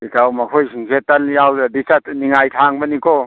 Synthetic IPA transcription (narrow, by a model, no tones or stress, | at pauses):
ikawmakʰojsiŋsetːanjawzabisatniŋajtʰaŋbɐnikʰɔ